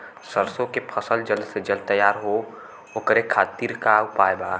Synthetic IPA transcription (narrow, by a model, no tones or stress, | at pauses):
səɾsõkepʰəsəld͡ʒəlsed͡ʒəlt̪ːəjaːɾɦo | ɦoːkəɾekʰaːt̪iːɾkaʊpaːjbaː